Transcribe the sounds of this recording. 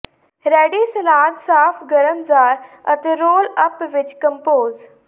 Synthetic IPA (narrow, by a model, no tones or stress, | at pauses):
ɾɛːɖisɐlaːd̪saːfɡɐɾəmzaːɾɐt̪eɾoːlɐpʋɪt͡ʃkɐ̃mpoːz